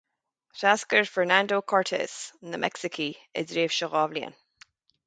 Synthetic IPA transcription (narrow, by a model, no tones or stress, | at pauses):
taskəɹfəɹnãndokʰɔɹtʰɛ̰sənðəmʔɛ̰ksɪkʰiɪ̰zɹeːv̥ʃəɣɔvliə̰̃n